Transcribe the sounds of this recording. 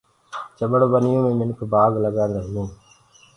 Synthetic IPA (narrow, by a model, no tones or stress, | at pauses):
t͡ʃəɓəɽobənɪjõːmẽːmɪnʊkʰbaːɡləɡãːnd̪aːɦjũː